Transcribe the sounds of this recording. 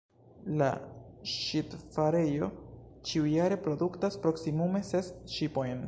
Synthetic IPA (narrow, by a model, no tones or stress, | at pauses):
la̰ʃitfaɾe̞jo̞t͡ʃiujaɾe̞pɾo̞duktaspɾo̞ksimume̞se̞sʃipo̞jn